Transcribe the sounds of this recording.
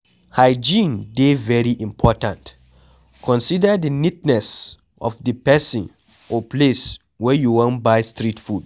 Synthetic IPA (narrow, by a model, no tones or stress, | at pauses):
haɪd͡ʒĩndevɛɹiʔĩmpʰɔtãnt | kʰɔ̃nsidədənitnɛs | ɔ̰fdəpɛsĩn | ɔples | wɛjuwɔ̃nbaɪstɹitfud